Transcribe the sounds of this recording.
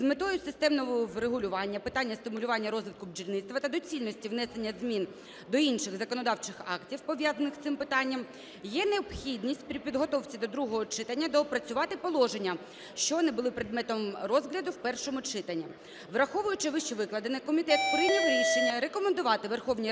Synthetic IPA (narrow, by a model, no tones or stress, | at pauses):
zmet̪ɔjʊsɪst̪ɛmnɔɦɔɾeɦʊlʲʊʋɑnʲːɐpɪt̪ɑnʲːɐst̪ɪmʊlʲʊʋɑnʲːɐɾɔzʋʲɪt̪kʊbd͡ʒilʲnɪt̪t̪ʋɐt̪ɐd̪ɔt͡sʲilʲnɔsʲtʲiʋnɛse̞nʲːɐzmʲin | d̪ɔinʃɪɣzɐkɔnɔd̪ɑwt͡ʃɪxɑktʲiwpɔʋʲjɑzɐnɪxst̪ɪmpɪt̪ɑnʲːɐm | jɛneɔbxʲid̪ʲnʲisʲtʲpɾʲipʲid̪ɦɔt̪ɔwt͡sʲid̪ɔd̪ɾuɦɔɦɔt͡ʃɪt̪ɐnʲːɐd̪ɔpɾɐt͡sʲʊʋɑt̪ɪpɔlˠɔʒenʲːɐ | ʃt͡ʃɔɔnɪbʊlˠɪpɾed̪̚mɛt̪ɔmrɔzɦlʲɐd̪ʊwpɛrʃɔmʊt͡ʃɪt̪ɐnʲːi | ʋɾɐxɔʋʊjʊt͡ʃɪʋɪʃt͡ʃɛʋɪklˠɐd̪ɪnɪkɔmʲit̪ɛt̪pɔɾʲijd̪nʲiɦɾʲiʃenʲːɐɾekɔmend̪ʊʋɑt̪ɪʋerxɔwnʲi